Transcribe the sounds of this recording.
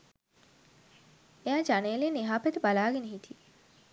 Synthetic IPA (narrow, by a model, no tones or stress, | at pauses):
ejaːd͡ʒaneːliniɦaːpet̪əbalaːɡeneɦit̪ʰi